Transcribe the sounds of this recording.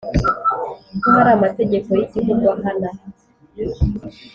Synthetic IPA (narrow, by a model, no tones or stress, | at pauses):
koɦaɾamate̞ɟe̞kojitikuɡwaɦana